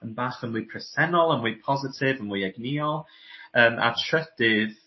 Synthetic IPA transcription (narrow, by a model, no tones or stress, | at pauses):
ənbaχənwiːpʰrɛsɛnɔlˠənwiːpʰɔzɪtʰɪvənwiːɛɡniːɔlˠ | əːmʔa̰tʰrəd̥ɪð̥